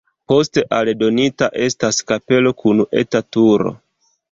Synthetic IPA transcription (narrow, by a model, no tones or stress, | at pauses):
po̞ste̞ʔaldo̞nitaʔe̞staskape̞lo̞kʰune̞tatuɾo̰